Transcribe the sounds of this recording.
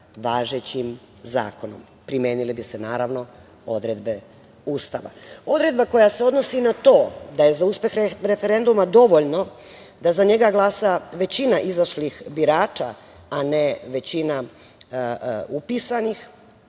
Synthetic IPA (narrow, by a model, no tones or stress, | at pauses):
ʋaːʒet͡ɕim | za̰ːko̞nom | pɾimjeːnilibisenaːɾaʋno̞ | o̞d̪ɾed̪be̞ | uːst̪aʋa̰o̞d̪ɾe̞d̪bako̞jase̞o̞d̪no̞sinat̪o̞ːd̪aje̞zauspe̞xɾeɾe̞feɾe̞nd̪umad̪o̞ʋoʎno̞ | d̪azaɲe̞ɡaɡlˠaːsaʋe̞t͡ɕinaʔizaʃlixbiɾaːt͡ʃa | aneʋe̞t͡ɕina | upiːsanix